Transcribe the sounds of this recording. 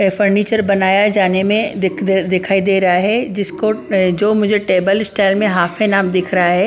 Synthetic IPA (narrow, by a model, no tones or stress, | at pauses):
fɐɾniːt͡ɕəɾbɐnaːjad͡ʑaːnemẽd̪ɪkʰaːid̪eːɾaɦed͡ʑɪskod͡ʑoːmʊ̃ɦɪ̃ɲd͡ʑeʈeːbəlɪsʈaːɪlmẽɦaːfenaːmd̪ɪkʰɾaaɦeː